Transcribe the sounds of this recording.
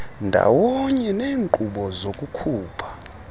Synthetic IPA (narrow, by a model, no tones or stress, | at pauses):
ndʱa̰wɔɲɛneːŋǃuɓɔzokʼukʰuːpʰḁ